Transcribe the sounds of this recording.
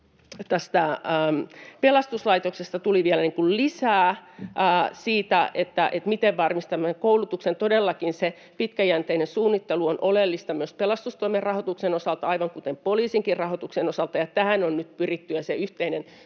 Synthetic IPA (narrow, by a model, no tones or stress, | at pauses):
t̪æst̪æː | pelɑst̪uslɑit̪oksest̪ɑt̪uliʋielæniŋkullisæːʔːsiːt̪æʔet̪ːæ̰ʔet̪mit̪eʋʋɑrmist̪ɑmːækoulut̪uksent̪odelːɑkinse | pit̪kæjænt̪einensuːnːit̪ːeluonʔolelːist̪ɑmyøspelɑst̪ust̪oimerrɑhot̪uksenosɑlt̪ɑɑiʋɑŋkut̪empoliːsiŋkirrɑhot̪uksenosɑlt̪ɑjɑt̪æhænonnyt̪pyrit̪ːyjɑseyht̪einen